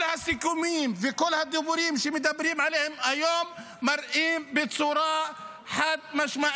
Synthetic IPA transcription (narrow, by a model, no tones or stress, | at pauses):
lhasɪkumiːnfikʊlːhad̪ːʊbuɾiːmʃimɪd̪abːɪɾiːmʕaleːhɪmʔajoːmː | ɑɾˤʔiːmbɪt̪sˤuɾˤɑːʔ | ħad̪maʃmaʔ